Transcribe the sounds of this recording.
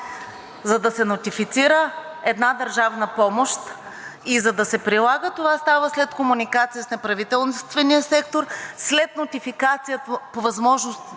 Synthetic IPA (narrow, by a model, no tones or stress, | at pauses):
zɐd̪ɐsɛnot̪ifit̪siɾə | ɛd̪nad̪əɾʒavnəpɔmoʃt̪ | izɐd̪ɐsɛpɾilˠaɡət̪ovast̪avəslɛt̪komunikat̪sijəsnɛpɾɐvit̪ɛlˠst̪vɛnijəsɛkt̪oɾslɛt̪not̪ifikat̪sijət̪əpovɐzmɔʒnost̪